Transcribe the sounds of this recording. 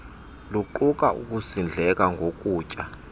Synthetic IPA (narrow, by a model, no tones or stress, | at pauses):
luǃuk̬ʼaʔṵk̬ʼusind͡ɮʱɛk̬ʼaŋɡʱokʼuːcʼa